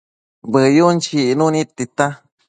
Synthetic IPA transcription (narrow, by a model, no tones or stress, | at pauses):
bɨjunt͡ʃinunit̪ːit̪a